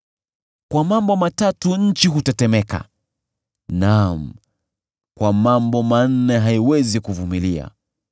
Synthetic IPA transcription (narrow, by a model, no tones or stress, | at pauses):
kwamambɔmatatuɲ̩t͡ʃiɦutɛtɛmɛka̰ | nam̩ | kwamambɔman̩nɛɦaiwɛzikuvumilia̰